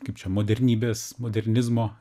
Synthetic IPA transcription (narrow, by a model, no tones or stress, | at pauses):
kɐɪpt͡ʃʲɛmoːd̪ʲɛɾʲnʲiːbʲeːsmoːd̪ʲɛɾʲnʲɪzmoː